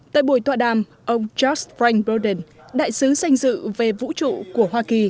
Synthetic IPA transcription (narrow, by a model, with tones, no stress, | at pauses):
t̪a̰ː˧˨jɓu˧˩əjt̪waː˧˨ɗaː˧˩m | ʔə˧wŋ͡mt͡ɕɔ˦˥sfɾa˧jŋbə˧ɗə˨˩n | ɗa̰ː˧˨jsɨ˨˦sa˧jŋ̟zɨ̰˧˨ve˨˩vṵ˧˥t͡ɕṵ˧˨ku˧˩əhwaː˧ki˨˩